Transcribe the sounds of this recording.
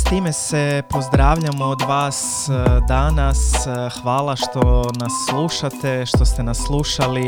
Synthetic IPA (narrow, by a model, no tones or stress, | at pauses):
st̪iːme̞sepo̞zd̪ɾaːʋʎamood̪ʋaːs | d̪anasxʋaːlˠaʃt̪o̞nasːlˠuːʃat̪eʃt̪o̞st̪enasːlˠuːʃali